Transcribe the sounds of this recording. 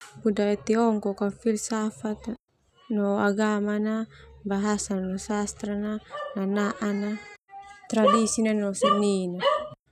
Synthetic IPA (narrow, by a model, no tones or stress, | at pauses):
pudait̪ɛɔŋkɔkafilsafat̪ | nɔaɡamanabaɦasananɔsast̪ɾanananaʔana | t̪ɾadisinanɔsanina